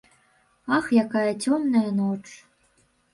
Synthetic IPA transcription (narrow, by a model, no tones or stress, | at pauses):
ɑxjakɑjətʲomnɐjənot͡ʂ